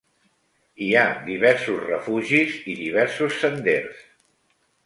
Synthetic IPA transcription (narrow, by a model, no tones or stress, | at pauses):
iad̪iβɛɾsuzrəfuʒiziðiβ̞ɛɾsusːənd̪eɾs